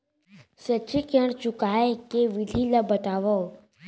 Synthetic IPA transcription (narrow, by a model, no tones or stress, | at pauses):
sət͡ʃikəɳ̃t͡ʃukaekeʋid̪ʱiləbət̪aʋə